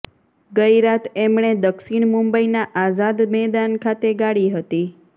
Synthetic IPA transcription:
ɡəiɾat̪ʰemɳed̪əkʃiɳmumbəinaʔazad̪mɛd̪ankʰat̪eɡaɽiɦət̪i

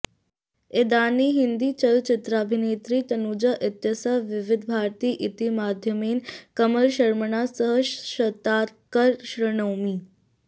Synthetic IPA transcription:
ed̪aːniːɦind̪iːt͡ɕɐlt͡ɕɪt̪ɾaːbʱineːt̪ɾiːt̪ɐnud͡ʒɐʔɪt̪jɐsaʋɪʋɪd̪ʱbʱaːɾt̪iːʔit̪imaːd̪ʱjəmeːnkɐməɾʃɐɾməɳaːsəɦəʃʃɐt̪aːt̪kəɾʃɾɐɳəwmiː

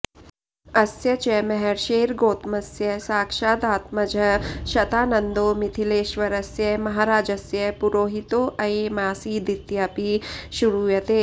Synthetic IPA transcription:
ɐsjɐt͡ʃɐmɐɦɛɾʃeːɾɡoːt̪mɐsjɐsaːkʃaːd̪aːt̪mɐd͡ʒʱɐʃɐt̪aːnɐnd̪oːmit̪ʰileːʃʋɐɾɐsjɐmɐɦaːɾaːd͡ʒɐsjɐpuɾoːɦit̪oːʔɐemaːsiːd̪it̪japiʃuɾuːjɐt̪eː

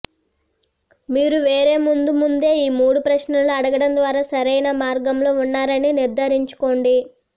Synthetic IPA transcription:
miːɾuʋe̞ːɾe̞ːmund̪umund̪e̞ːiːmuːɽupɾɐʃnɐloɐɽɐɡɐɽɐnd̪ʋaːɾaːsɐɾɐjnɐmaːɾɡɐmloːunːaːɾɐniniɾd̪ʱaːɾiɲt͡ʃu̥ko̞ːɳɖi

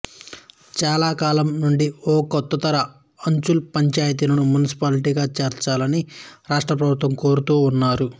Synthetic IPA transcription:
t͡ʃaːlaːkaːlɐmnuɳɖiɔːkɔt̪ːɐt̪ɐɾɐ | ɐɲt͡ʃulpɐɲt͡ʃaːjɐt̪̬inɐnumunisi̥paːliʈiːɡaːt͡ʃeːɾt͡ʃaːlɐniɾaːʂʈɾɐpɾɐbʱut̪ʋɐmko̞ːɾut̪uːnːaːɾu

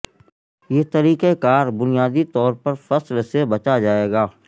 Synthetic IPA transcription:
jeːt̪ɐɾiːkekaːɾbʊnijaːd̪it̪ɔːɾpɐɾfɐslsebɐt͡ʃad͡ʒaːeːɡaː

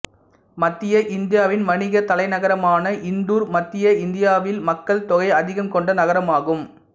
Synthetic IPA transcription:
mɐt̪ːɪjɐʔɪnd̪ɪjaːʋɪnmɐɳɪɣɐt̪ɐlɐɪnɐɣɐɾɐmaːnɐʔɪnd̪uːɾmɐt̪ːɪjɐɪnd̪ɪjaːʋɪlmɐkːɐɭt̪ɔɣɐɪɐðɪɣɐmkɔɳɖɐnɐɣɐɾɐmaːɣɯm

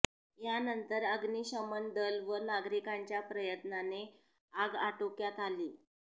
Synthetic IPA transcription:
janənt̪əɾəɡniːɕəmənd̪əlʋənaɡɾikaɲt͡ɕjapɾəjət̪nane | aɡaʈokjat̪aliː

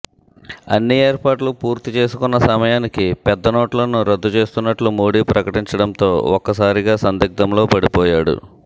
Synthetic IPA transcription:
ɐnːieːɾpaːʈlupuːɾt̪it͡ʃe̞ːsukunːɐsɐmɐjaːnikipɛd̪ːɐnoːʈɐlɐnuɾɐd̪ːut͡ʃe̞ːst̪unːɐʈlumoːɽiːpɾɐkɐʈiɲt͡ʃɐɽɐnt̪o̞ːɔkːɐsaːɾiɡaːsɐnd̪iɡ̚d̪ɐmlo̞ːpɐɽipɔːjaːɽṵ

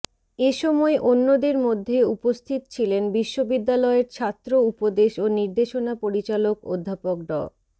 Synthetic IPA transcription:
eʃɔmɔeʔonːod̪eɾmod̪ʱːeupost̪ʰit̪o̥t͡ɕʰilenbiʃːobid̪ːalɔeɾt͡ɕʰat̪ːɾoupod̪eʃoniɾd̪eʃonapoɾit͡ɕaloko̰d̪ʱːapok̚ɖɔ̰

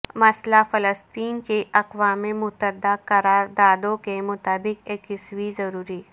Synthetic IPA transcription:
mɐslafɐləst̪iːnkeʔɐqʋaːmemʊt̪əd̪akɐɾaːɾd̪aːd̪õkemʊt̪aːbɪqeːkɪswizɐɾuːɾiː

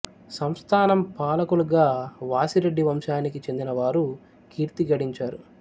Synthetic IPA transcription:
sɐmst̪ʰaːnɐmpaːlɐkuluɡaːʋaːsiɾe̞ɖːiʋɐmʃaːnikit͡ʃe̞nd̪inɐʋaːɾu | kiːɾt̪iɡɐɽiɲt͡ʃaːɾu

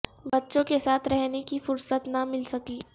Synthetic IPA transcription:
bɐtːʃõkesaːt̪ʰɾɛɦnekifʊɾsət̪nɐmɪlsɐkiː

